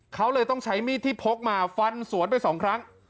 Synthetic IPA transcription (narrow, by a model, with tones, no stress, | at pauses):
kʰa˦˥wlɤː˧jt̪ɔ˥˩ŋt͡ɕʰa˦˥jmiː˥˩t̪ʰːiː˥˩pʰo˦˥k̚maː˧fa˧nsu˨˩˦ənpa˧jsɔː˩˦ŋkʰɾa˦˥ŋ